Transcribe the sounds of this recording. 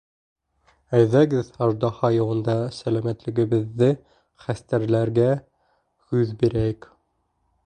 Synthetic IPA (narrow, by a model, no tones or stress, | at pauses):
æjðæɡɘðɑʒd̪ɑhɑjɤ̆wɤ̆nd̪ɑsælæmæt̪lɘ̆ɡɘ̆βɘ̆ðːɘ | χæst̪æɾlæɾɡæ | hʉðbiɾæjɘk